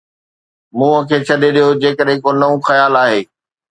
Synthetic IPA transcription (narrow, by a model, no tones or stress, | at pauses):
mũːə̃kʰeːt͡ɕʰɐɗeɗijod͡ʑeːkəɗɦɪ̃konɐũxɐjaːlaːɦeː